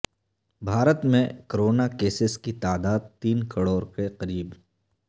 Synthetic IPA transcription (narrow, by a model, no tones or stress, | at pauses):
bʱaːɾət̪mẽkəɾoːnakeːsɪskit̪aːd̪aːd̪̚t̪iːnkəɽoːɾkeqɐɾiːb